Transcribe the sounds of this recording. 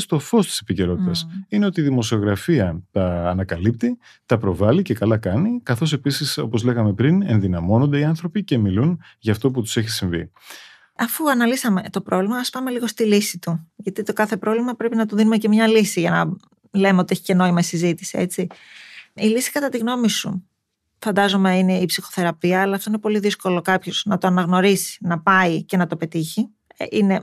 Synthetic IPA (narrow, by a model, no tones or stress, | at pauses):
st̪o̞fo̞st̪i̥se̞̥pice̞ɾo̞t̪it̪ɐsine̞o̞t̪iːðimo̞sio̞ɣɾɐfiɐt̪ɐːnɐkɐlip̚t̪i | t̪ɐpɾo̞vɐlice̞kɐlɐkɐnikɐθo̞se̞pisiso̞̰po̞zle̞ɣɐme̞pɾine̞nðinɐmo̞nond̪e̞iɐnθɾo̞pice̞milun | ʝɐːft̪o̞p̬ut̪u̥se̞çisiɱvḭ | ɐfuɐnɐlisɐme̞t̪o̞pɾʔo̞vlimɐɐspɐme̞liɣo̞st̪ilisit̪uʝɐt̪it̪o̞kɐθe̞pɾo̞vlimɐpɾe̞pinɐt̪oðinume̞ce̞mɲɐlisiʝɐnɐ | le̞meot̪ieçi̥ce̞no̞imɐisizit̪i̥sie̞t͡si | ilisi̥kɐt̪ɐt̪iɣno̞misṵ | fɐnd̪ɐzo̞meine̞ipsixo̞̥θe̞ɾɐpiɐːlɐːft̪o̞inepo̞liðisko̞lo̞kɐpço̞z̥nɐt̪o̞ɐnɐɣno̞ɾisi̥nɐpɐice̞nɐt̪o̞pe̞t̪içi | ʔine̞